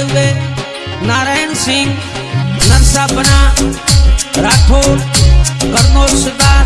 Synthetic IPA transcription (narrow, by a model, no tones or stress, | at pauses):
ud̪e | naːɾaːjnsɪ̃ŋɡ | nɐɾsaːbənaː | ɾaːʈʰoːɾkɐɾnoːɾsɪd̪aː